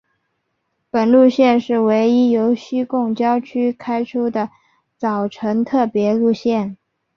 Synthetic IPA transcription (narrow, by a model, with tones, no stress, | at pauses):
pə˨˩nlu˥˧ɕjɛ˥˧nʂɻ̩˥˩we˧˥ɪi˥jo˧˥ʊɕy˥kʊ˥˩ŋt͡ɕjɑ˥ʊt͡ɕʰy˥kʰa˥ɪʈ͡ʂʰu˥d̪ə˨ | t͡sɑ˨˩ʊʈ͡ʂʰɤ˧˥ŋt̪ʰɤ˥˩pjɛ˧˥lu˥˧ɕjɛ˥˩n